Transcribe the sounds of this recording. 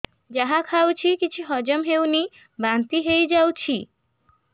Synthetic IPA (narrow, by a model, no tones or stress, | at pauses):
d͡ʑaɦakʰawt͡ɕʰikit͡ɕʰuɦɔd͡ʑomɦewni | bant̪iɦejd͡ʑawt͡ɕʰi